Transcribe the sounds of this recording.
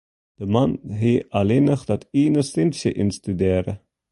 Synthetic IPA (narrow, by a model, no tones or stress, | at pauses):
d̥əmanɦealenəχd̥ɑtiːnərsɪnsjəʔɪnstydeːɾə